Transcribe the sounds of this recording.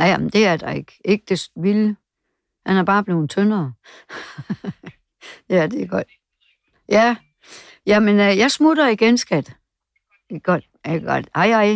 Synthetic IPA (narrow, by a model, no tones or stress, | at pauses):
d̥e̝æɐd̥ɑe̝ɡ̥e̝ɡ̥̚əd̥e̝sʋil | hænæb̥ɑ̈ːb̥le̝ːð̩ˠt͡sʰønɐː | jæd̥e̝ɡ̥ɒd̥ | jæ | jæmenəjɑ̈ɪsmod̥ɐiɡ̥ensɡ̥æd̥ | iɡ̥ɒd̥ | æɡ̥ɒd̥hɑɪhɑɪ